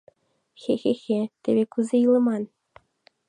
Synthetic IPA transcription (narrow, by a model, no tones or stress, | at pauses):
xʲexʲexʲet̪ʲebʲekuzejilˠɤ̆mɑn